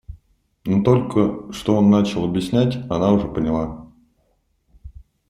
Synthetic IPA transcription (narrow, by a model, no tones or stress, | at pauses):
not̪olʲkəʂt̪oonːat͡ɕɪlˠɐbʲjɪsʲnʲætʲanauʐɛpənʲɪlˠa